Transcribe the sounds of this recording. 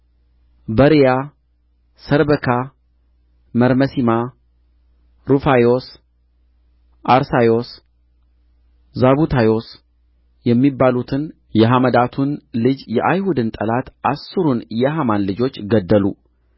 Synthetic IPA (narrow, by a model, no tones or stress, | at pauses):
bəɾija | səɾbəkʰa | məɾməsima | ɾufajo̞s | ʔaɾsajo̞s | zaβut̪ʰajo̞s | jɛmːibːalut̪ʰɨn | jɛɦaməd̪at̪ʰunlɨd͡ʒjɛʔajhud̪ɨnt̪ʼəlat̪ʔasːɨɾunjɛɦamanlɨd͡ʒo̞t͡ʃːɡəd̪ːəlṵ